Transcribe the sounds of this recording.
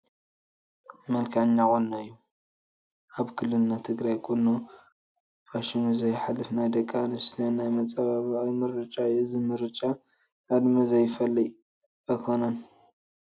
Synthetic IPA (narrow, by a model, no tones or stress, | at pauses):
mɐlkʰaʕɲːakʼonːajːu | ʔaβkʰɨlːɨnat̪ʰɨɡɾajkʰʼonːu | faʃimzɐjħalːɨfnajd̪ɐkʼːanɨsʰɐnːajmɐt͡sʼaβaβajmɨɾɨt͡ʃʼaɨzɨmɨɾɨt͡ʃʼa | ʔad̪mɐzɐjfɐlːij | jkʰonɐn